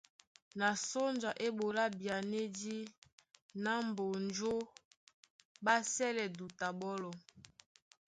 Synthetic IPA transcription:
na˨so˦nd͡ʒa˨ʔe˦bo˨la˦bja˨ne˦di˦ | na˦mbo˨nd͡ʒo˦ | ba˦sɛ˦lɛ˨du˨ta˨bɔ˦lɔ˨

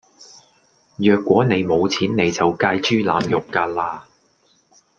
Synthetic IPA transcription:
jœː˨kʷːwɔː˨˥ne˨˧jmo˨˧wt͡sʰiː˨˥nːe˨˧jt͡sɐ˨wkaː˧jt͡ʃyː˥laː˨˧˥mjʊ˨kːaː˧laː˧

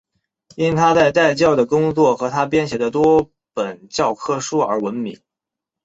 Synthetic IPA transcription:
i˥nt̪ʰa˥t͡sa˥˧ɪt̪a˥˧ɪt͡ɕjɑ˥˩ʊd̪ə˩kʊ˥ŋt͡swɔ˥˩xɤ˧˥t̪ʰa˥pjɛ˥nɕjɛ˧˥d̪ə˧t̪wɔ˥ | pə˨˩nt͡ɕjɑ˥˧ʊkʰɤ˥˧ʂu˥˩ə̰˞˧˥wə˧˥nmi˨˩˦

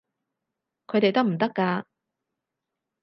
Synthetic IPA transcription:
kʰɵ˨˧jt̪e˨jt̪ɐ˥k̚m̩˨˩t̪ɐ˥kːaː˧

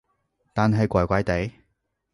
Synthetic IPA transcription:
t̪aː˨nɦɐ˨jkʷɐ˨˩jkʷɐ˨˥jt̪e˨˥j

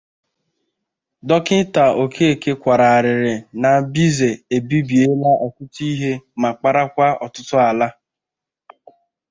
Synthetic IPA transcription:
dɔ˦kɪ˦ta˨o˨kʰe˦e˨ke˦kʷa˨ɾa˨a˨ɾɪ˨ɾɪ˨na˨bi˦ze˨e˨bi˦bi˨e˦la˦ʔɔ˨kʊ˦ti˦ɦe˦ma˨k͡pa˨ɾa˦kʷa˦ɔ̰˨tʊ˦tʊ˦a˨la˦

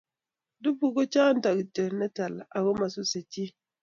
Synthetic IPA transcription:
du˦pu˨ɡo˦t͡ʃaː˦n̩˦ta˨ɡtə˨nə˦ta˨la˨ɡo˦ma˨su˦sə˨t͡ʃi˦

